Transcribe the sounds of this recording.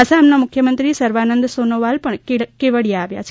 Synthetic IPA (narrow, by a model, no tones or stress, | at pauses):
ɐsaːmnɐmʊkʰjɐmɐnt̪ɾisɐɾʋaːnɐnd̪ɐsoːnoʋaːlpɐɳkeʋɐɽijaːʋja̰ːt͡ʃ